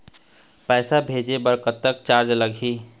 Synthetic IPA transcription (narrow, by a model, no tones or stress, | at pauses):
pɛɪsabʱed͡ʒebəɾkət̪ːək̚t͡ʃaɾd͡ʒləɡʱi